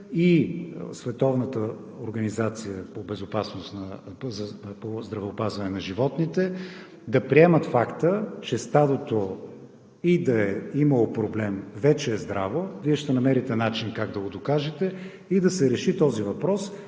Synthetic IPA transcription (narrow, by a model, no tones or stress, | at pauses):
isvɛt̪ɔvnət̪ə | oɾɡənizat̪sijəpobɛzʊpasnost̪nɐzɐpozd̪ɾɐvɛopazvɐnɛnɐʒivɔt̪nit̪ɛ | d̪ɐpɾiɛmət̪fakt̪ət͡ʃɛst̪ad̪ot̪o | id̪ɐɛiməlˠopɾoblɛmvɛt͡ʃɛːzd̪ɾavoviɛʃt̪ɛnɐmɛɾit̪ɛnat͡ʃinkaɡd̪ɐɡod̪okaʒɛt̪ɛ | id̪ɐsɛɾɛʃit̪ɔzivɐpɾɔs